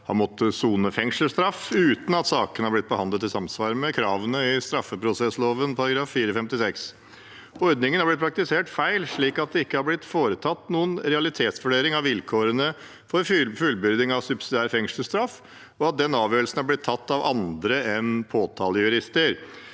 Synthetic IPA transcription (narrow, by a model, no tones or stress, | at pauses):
hɑ̰nmɔt̪ʰːəsuːnəfɛŋʂəl̩st̪ɾɑfʉːt̪n̩ɑt̪sɑːkənəhɑɾblɪt̪̚bəhɑnd̪ət̪ːɪlsɑmsʋɑːɾəmɛkʰɾɑːʋənəɪst̪ɾɑfːəpʰɾʊsɛsloːʋənpʰɑɾɑɡɾɑːfːiːɾəfɛmt̪ɪsɛks | ɔɾd̪nɪŋənhɑɾblɪt̪̚pʰɾɑk̚t̪ɪseːʈfæɪlʂɭiːkɑt̪̚d̪ɛɪkːəhɑɾblɪt̪foːɾət̪ʰɑt̪ːnuːənɾɛɑlɪt̪ʰeːt̪sʋʉɖeːɾɪŋɑʋʋɪlkʰoːɾənə | fɔɾfʉlbʏɾd̪ɪŋɑʋsʉbsɪd̪ɪæːɾfɛŋʂəst̪ɾɑf | ɔɑt̪̚d̪ɛnːɑːʋjøːɾəlsn̩hæɾblɪt̪ʰːɑt̪ːɑʋʔɑnd̪ɾəɛnpʰoːt̪ʰɑːləjʉɾɪst̪əɾ